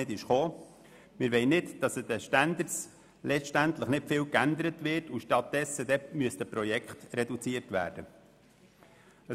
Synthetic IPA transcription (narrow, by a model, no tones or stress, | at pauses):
ɪdɪʃχoː | mɪɾʋɛɪnɪtd̥ɑsəd̥ɛʃtænd̪əs | lɛt͡ʃʃtænt̪ləχnɪtfɪːlkænd̪əɾətʋɪrtuʃtɑt̚dɛsːəd̥̪ɛmyəst̪əpɾɔjɛkχt̪ɾɛdut͡siətʋæ̰ːɾd̥ə | ə